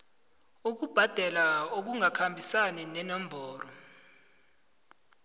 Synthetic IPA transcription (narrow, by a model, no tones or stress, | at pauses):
uk̬ub̥ʱad̥ʱɛlaok̬uŋakʰambʱisanɛnɛnɔmbʱɔːɾɔ